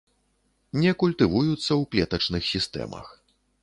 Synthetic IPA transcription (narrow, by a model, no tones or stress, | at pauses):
nʲɛkulʲt̪ɨvujut̪sːɐwklʲɛt̪ɐt͡ʂnɨxsʲist̪ɛ̰mɐ̰x